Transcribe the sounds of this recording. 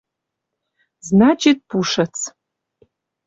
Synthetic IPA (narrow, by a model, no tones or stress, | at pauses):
znat͡ʃʰit̪̚puʂət͡sʰ